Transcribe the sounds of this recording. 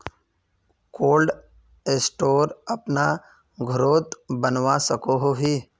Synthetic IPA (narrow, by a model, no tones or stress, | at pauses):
koːlɖ | esʈoːɾɐpna | ɡʱʊɾoːt̪bənʋasəkoɦoɦiː